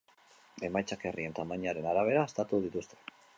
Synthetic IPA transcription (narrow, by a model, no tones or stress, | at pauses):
e̞majt͡sake̞rie̞nt̪amaɲaɾe̞naɾaβ̞e̞ɾaːst̪at̪uð̞it̪ust̪e